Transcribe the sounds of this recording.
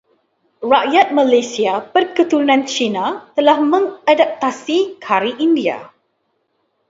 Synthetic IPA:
raʔjat̪̚malajsiapərkət̪uɾunãnt͡ʃinat̪əlahmə̃ŋadap̚t̪asikʰaɾiʔindia̰

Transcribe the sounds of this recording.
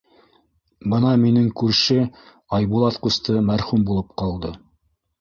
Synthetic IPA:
bɤnɑminɘŋkʉɾʃɘ | ɑjbulˠɑt̪qust̪ɤmæɾχʉmbulˠɤp̚qɑlˠd̪ɤ

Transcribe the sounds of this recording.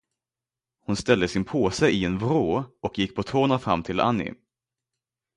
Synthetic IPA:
hʊnst̪ɛld̪əsɪnpʰoːsɛɪɛnvɾoːɔkjɪkːpʰɔt̪ʰoːnafɾa̰mːt̪ʰɪla̰nːɪ̰

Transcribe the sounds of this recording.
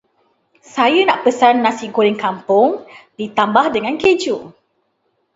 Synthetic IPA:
sajənaʔpəsanːãsiɡoɾiŋkampʊŋdit̪ambahdəŋãnked͡ʒu

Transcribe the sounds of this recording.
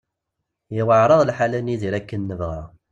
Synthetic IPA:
jəwəʕɾˤɑðˤlħalænːiðiɾækːənːəvʁæ

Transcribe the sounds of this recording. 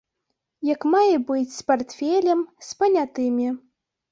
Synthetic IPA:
jɐkmajɛbɨt͡sʲspart̪fʲɛlʲɛmspɐnʲat̪ɨmʲi

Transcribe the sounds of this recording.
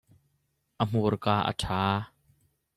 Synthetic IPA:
ʔəm̥urkaːʔə̰tʰaː

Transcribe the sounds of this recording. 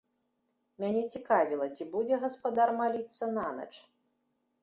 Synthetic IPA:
mʲanʲɛt͡sʲikavʲilˠɐt͡sʲibud͡zʲɛɣɐspad̪armalʲit̪sːɐnanɐ̰t͡ʂ

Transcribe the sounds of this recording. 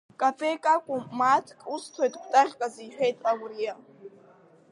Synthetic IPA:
kʼafʰʼekʼakʷʼʊmatʰkʼustʰojtʼɡʷtʼaʁʲkʼaziħᶣe̞jtʼawrija

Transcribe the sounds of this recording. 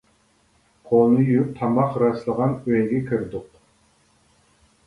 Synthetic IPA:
qʰolˠnɨjyɾyp̚t̪ʰɑmɑqɾɑslˠəʁɑnøjɡʲɛkʲʰiɾd̪ʊq

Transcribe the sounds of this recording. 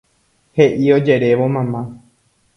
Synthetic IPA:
heʔio̞d͡ʒe̞ɾe̞ʋo̞mãmã

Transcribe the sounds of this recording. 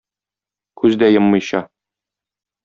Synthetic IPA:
kʉzd̪æjɤmːɤ̆jɕɑ

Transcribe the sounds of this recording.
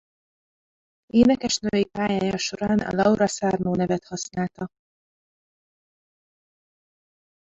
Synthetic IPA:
eːnɛkɛʃnøvɛjipaːjaːjɒʃo̞ɾaːnɒ̰lɒuɾɒsaːrnoːnɛvɛt̪hɒsnaːlt̪ɒ

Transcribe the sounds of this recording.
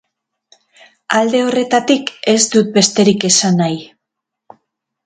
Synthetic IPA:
ald̪e̞o̞re̞t̪at̪ike̞sd̪ut̪̚be̞st̪e̞ɾike̞sanaj

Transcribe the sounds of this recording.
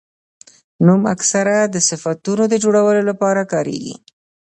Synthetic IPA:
numa̰ksaɾad̪əsɪfat̪unod̪əd͡ʒoɽawəlolapɑɾakɑɾḛɡḭ

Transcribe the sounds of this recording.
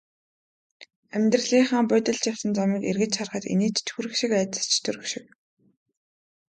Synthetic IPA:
æmʲt̪rə̆ɮiːχaːŋpʊːt̪ə̆ɮt͡ɕjawsə̆nt͡samiːkḛrɣɘ̆t͡ɕχarχə̆t̪ḛniːt͡ɕt̪ʰxuɾɘ̆xʃɪ̆kæːt͡s̪ə̥̆st͡ɕʰt̪ʰɵɾɘ̆xʃɪ̥̆k̚

